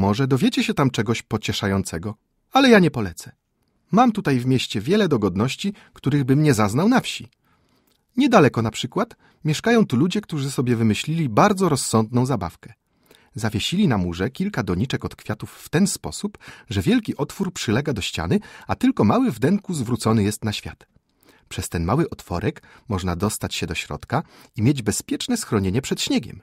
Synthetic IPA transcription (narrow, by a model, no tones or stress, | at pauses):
mɔʐɛd̪ɔvʲjɛt͡ɕɛɕɛt̪amt͡ʂɛɡɔɕpɔt͡ɕɛʂajɔnt̪sɛɡɔ | alɛjaɲɛpɔlɛt̪sɛ̥ | mamt̪ut̪ajvmʲjɛɕt͡ɕɛvʲjɛlɛd̪ɔɡɔd̪nɔɕt͡ɕi | kt̪uɾɘɣbɘmɲɛzaznawnafɕi | ɲɛd̪alɛkɔnapʂɘkwat̪ | mʲjɛʂkajɔ̃w̃t̪ulud͡ʑɛk̚t̪uʐɘsɔbʲjɛvɘmɘɕlʲilʲibaɾd̪zɔɾɔsːɔnd̪nɔ̃w̃zaba̰fkɛ | zavʲjeɕilʲinamuʐɛkʲilkad̪ɔɲit͡ʂɛkɔt̪kfʲjat̪ufːt̪ɛnspɔ̰supʐɛvʲjɛlkʲiʔɔt̪fuɾpʂɘlɛɡad̪ɔɕt͡ɕa̰nɘat̪ɘlkɔmawɘvd̪ɛŋkuzvɾut̪sɔnɘjɛst̪naɕfʲja̰t̪ | pʂɛst̪ɛnmawɘʔɔt̪fɔ̰ɾʔɛk | mɔʐnad̪ɔst̪at͡ɕɕɛd̪ɔɕɾɔ̰t̪ka | imʲjed͡ʑbɛspʲjɛt͡ʂnɛsxɾɔɲeɲɛpʂɛt̪ɕɲɛɡʲɛ̰m